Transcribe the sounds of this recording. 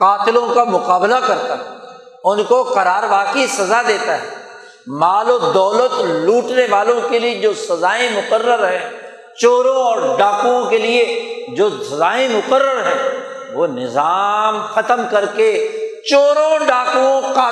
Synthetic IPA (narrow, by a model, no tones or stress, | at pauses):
qaːt̪ɪlõkamʊqaːblakɐɾt̪aɦɛː | ʊnkoqɐɾaːɾʋaːqeisɐzad̪eːt̪aɦɛː | maːlod̪ɔːlət̪luːʈneʋaːlõkelied͡ʒoːsɐzaːẽmʊqəɾːəɾɦɛ̃ | t͡ʃoːɾõɔːɾɖaːkũõkelied͡ʒoːsɐzaːiẽmʊqəɾːəɾɦɛ̃ː | ʋoːnɪzaːmxɐt̪əmkɐɾket͡ʃoːɾõɖaːkuõka